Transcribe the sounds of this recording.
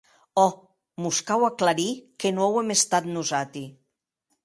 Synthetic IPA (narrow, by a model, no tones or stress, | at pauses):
ɔ | muskawaklaɾikenowemest̪at̪nuzat̪i